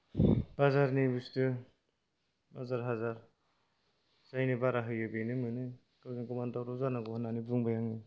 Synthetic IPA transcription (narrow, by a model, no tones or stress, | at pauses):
bazaɾnibustɯ | bazaɾɦazaɾ | zajnibaɾaɦɯjɯbenɯmɯnɯ | kɯɡinkumantawɾuzaɾnaɡɔhɔnanibuŋbajaŋi